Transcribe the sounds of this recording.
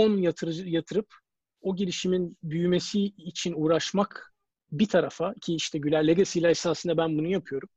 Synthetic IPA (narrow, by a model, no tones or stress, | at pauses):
onjat̪ʰɯɾjat̪ʰɯɾɯp | o̞ɟelʲiʃiminbyjyme̞siːt͡ʃʰinuːɾaʃmak | bit̪ʰaɾafacʰiiʃt̪ʰɛɟylʲæɾlʲːeɡasilʲæɾesaːsɯnd̪abænbunujapʰɯjo̞ɾum